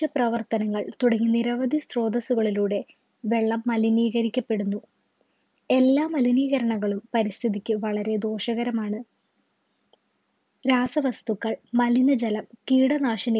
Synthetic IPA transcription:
ɐprɐʋɐrt̪ɐnɐŋːɐɭt̪uɽɐŋːuniɾɐʋɐd̪ʱisro̞ːd̪ɐsuɣɐɭiluːɽe̞ | ʋe̞ɭːɐmːɐliniːɣɐɾikʲːɐpːe̞ɽunːu | e̞lːaːmɐliniːɣɐɾɐɳɐɣːɐɭumpɐɾist̪ʰiðikʲːɨʋɐɭɐɾe̞d̪o̞ːʂɐɣɐɾɐmaːɳɨ | ɾaːsɐʋɐst̪ukːɐɭmɐlinɐd͡ʑɐlɐmkiːɽɐnaːʂɐnɐ

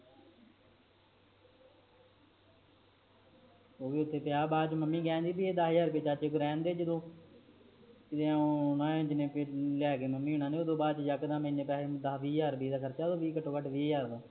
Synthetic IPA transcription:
oːʋiːʊt̪ʰːeːpɪjaːbaːd̪t͡ʃməmːiːɡɛ̃ːnd̪iːbieːd̪aɦjəːɾpeːt͡ʃat͡ʃekʊɾɛːnd̪eːd͡ʒəd̪õː | kɪd̪ẽːonãːẽd͡ʒɪnẽːpelɛːkeːməmːiːʊnãːneːoːd̪õːbaːd̪t͡ʃd͡ʒəkd̪ãːmẽnẽpɛːed̪aːʋiːaːɾbiːd̪aːkʰəɾt͡ʃaːd̪õːbiːkəʈʰːõːkəʈʰʋiːaːɾd̪õː

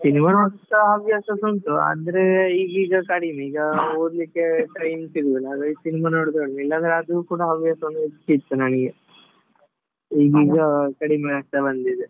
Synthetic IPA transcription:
sinimanoːɽt̪ɐɦɐʋijasɐsont̪uɐ̰nd̪ɐɾeiːɡiːɡɐkɐɽimiːɡɐoːd̪likːeʈɐjmsiɡɐlaːɡɐisinimanoːɽd̪oɽnilːɐnd̪ɐɾeɐd̪ukuːɽɐɦɐʋijaːsɐʋɐnːuikit̪ːunaːniɡe | iːɡiːɡɐkɐɽimɐast̪ɐbɐnd̪id̪e

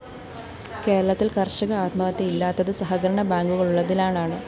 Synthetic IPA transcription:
ke̞ːɾɐɭɐt̪ːilkɐrɕɐɣɐaːt̪mɐɣɐt̪ːeilːaːt̪ːɐðɨsɐɦɐɡɐɾɐɳɐbaːŋɡuɣɐɭuɭːɐðilaːɳaːɳɨ

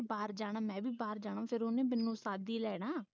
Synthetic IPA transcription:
baːɾd͡ʒaːɽ̃aːmɛ̃ːbʱiːbaːɾd͡ʒaːɽ̃ãũːpʰɪɾʊnẽːmɪnːũːsaːd̪iːlɛːɽaː

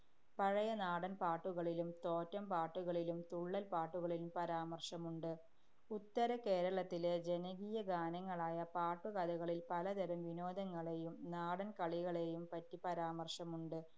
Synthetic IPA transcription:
pɐɻɐjɐnaːɽɐnpaːʈːuɣɐɭilumt̪oːtːɐmpaːʈːuɣɐɭilumt̪uɭːɐlpaːʈːuɣɐɭilumpɐɾaːmɐrʂɐmuɳɖɨ | ut̪ːɐɾɐke̞ːɾɐɭɐt̪ːile̞d͡ʑe̞nɐɣijɐɡaːnɐŋːɐɭaːjɐpaːʈːuɣɐd̪ɐɣɐɭilpɐlɐd̪ɐɾɐmʋino̞ːd̪ɐŋːɐɭe̞jumnaːɽɐnkɐɭiɣɐɭe̞jumpɐtːipɐɾaːmɐrʂɐmuɳɖɨ

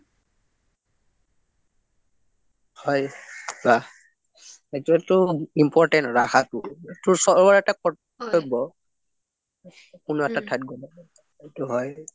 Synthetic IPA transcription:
hɔjba | etuɛtʊimpɔɹtɛntɹaxʰatʊetʊsɔbɔɹɛtakɔ | tɔbɔ | kunuɛtatʰajt̚ɡolɔ | etuɦɔj

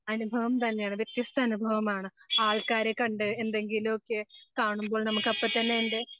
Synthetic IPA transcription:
ɐnubʱɐʋɐmt̪ɐnːejaːɳɨʋjɐt̪jɐst̪ʰɐːnubʱɐʋɐmaːɳɨaːɭkaːɾekɐɳɖɨe̞nd̪e̞ŋɡilumokːe̞kaːɳumboːɭnɐmukːɐpːɐt̪ːɐnːeende̞

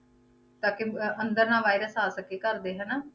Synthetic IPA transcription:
t̪aːkeənd̪əɾnãːʋaːɪɾəsaːsəkeːkəɾd̪eːɦənaː

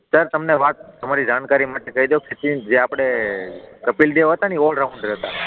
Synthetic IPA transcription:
səɾt̪əmneʋat̪̚t̪əmaɾid͡ʒaɳkaɾimaʈekəɦid̪okʰet͡ʃʰĩd͡ʒeapɽ̃e | kəpild̪eʋɦət̪aniɔlɾaũɳɖɾɛɦt̪a̰

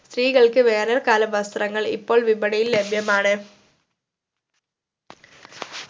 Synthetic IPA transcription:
st̪riːɣɐɭkɨʋe̞ːnɐrkaːlɐʋɐst̪rɐŋːɐɭḭpːo̞ːɭʋibɐɽɐjillebʱjɐmaːɳɨ

